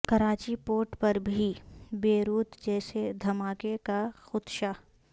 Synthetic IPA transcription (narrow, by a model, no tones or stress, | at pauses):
kɐɾaːt͡ʃipoːɾʈpɐɾbʱibeːɾuːt̪d͡ʒɛːsed̪ʱɐmaːkekaxʊt̪ʃa